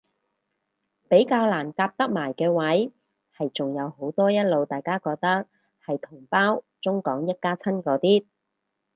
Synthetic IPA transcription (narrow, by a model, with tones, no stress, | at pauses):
pe˨˥jkaː˧wlaː˨˩nkaː˧p̚t̪ɐ˥k̚maː˨˩jkɛː˧wɐ˨˥j | hɐ˨jt͡sʊ˨˩ŋjɐ˨˧who˨˥wt̪ɔː˥jɐ˥t̚lo˨˧wt̪aː˨jkaː˥kɔː˧k̚t̪ɐ˥k̚ | hɐ˨jt̪ʰʊ˨˩ŋpaː˥w | t͡sʊ˥ŋkɔː˨˥ŋjɐ˥t̚kaː˥t͡sʰɐ˥nkɔː˨˧t̪iː˥t̚